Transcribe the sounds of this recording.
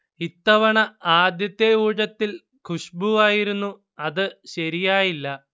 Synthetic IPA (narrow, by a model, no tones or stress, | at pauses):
it̪ːɐʋɐɳɐaːd̪jɐt̪ːeuːɻɐt̪ːil | kʰuʂbuʋaːjiɾunːu | ɐðɨɕɐɾijaːjilːɐ